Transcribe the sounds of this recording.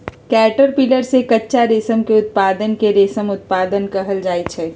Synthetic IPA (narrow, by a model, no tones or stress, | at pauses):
kɛːʈəɾpiləɾsekɐtːʃaɾeːsəmkeʊt̪̚paːd̪ənkeɾeːsəmʊt̪̚paːd̪ənkɐɦəld͡ʒaːet͡ʃʰɛː